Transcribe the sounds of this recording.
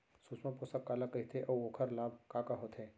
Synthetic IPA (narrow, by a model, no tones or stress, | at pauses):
susmãposɐkːaːlakəɦit̪ʰeʔɐwoːkʰəɾlaːb̚kaːkaɦot̪ʰɦẽː